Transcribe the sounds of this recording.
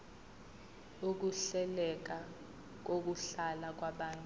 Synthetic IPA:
uk̬uɬɛlɛk̬a | k̬ok̬uɬalak̬waɓaːntʼu

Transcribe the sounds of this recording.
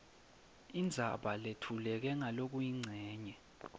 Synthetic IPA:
ind͡zʱaɓaletʰulɛk̬ɛŋalok̬ujiŋ͡ǀʱɛːɲɛ

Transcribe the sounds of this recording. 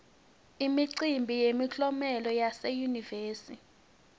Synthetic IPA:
imiǀimbʱijemiɬɔmɛlɔjasɛjuniveːsi

